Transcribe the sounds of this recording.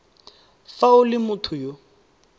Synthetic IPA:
faʊlɪmʊtʰʊjo

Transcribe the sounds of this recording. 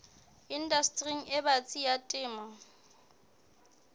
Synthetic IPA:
indastʼriŋ̩ɪbat͡sʼijatʼɪːma

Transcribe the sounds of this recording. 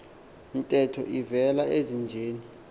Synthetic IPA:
ntʼɛtʰɔ̰ʔivɛlaezind͡ʒʱeːni

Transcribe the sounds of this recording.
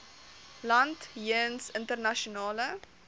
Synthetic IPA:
lɐntjənsəntərnɐʃonɑːlə

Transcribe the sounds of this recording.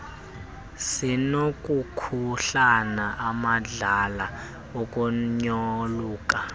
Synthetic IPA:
sinokʼukʰuɬanaʔamaɮala | okʼuɲɔluːkʼa

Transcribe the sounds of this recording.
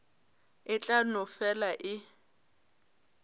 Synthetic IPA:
ɪt͡ɬʼanɔfɛlaʔɪ

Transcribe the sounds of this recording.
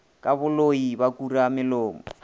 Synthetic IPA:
kʼaβʊloibakuramɪlɔːmɔ̰

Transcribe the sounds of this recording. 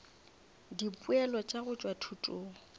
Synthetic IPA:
dipʼuɛlɔt͡ʃʼaɣʊt͡ʃʼwatʰutʼʊːŋ̩

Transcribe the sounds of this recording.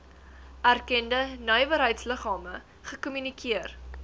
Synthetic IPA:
ærkɛndənœjvəɾɦəjtsləχɑːmə | χəkɔmynikʰiər

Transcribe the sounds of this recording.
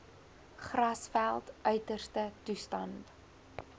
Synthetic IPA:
χrɐsfælˠtʔœɥtərstətustɐnt

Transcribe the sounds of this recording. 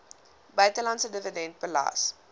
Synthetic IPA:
bɐɥtəlɐntsədəvədɛnt̚pəlɑ̰ːs

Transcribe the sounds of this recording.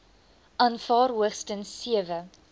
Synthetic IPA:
ʔɐnfɑːɾɦuəχstənsiəvə

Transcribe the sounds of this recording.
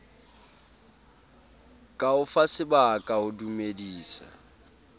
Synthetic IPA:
kʼaʊfasɪbakʼaʊdumediːsa̰

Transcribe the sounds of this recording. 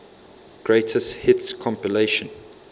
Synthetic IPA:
ɡ̥ɹeɪtʰəsthɪtskʰɔ̃mpileɪʃə̃n

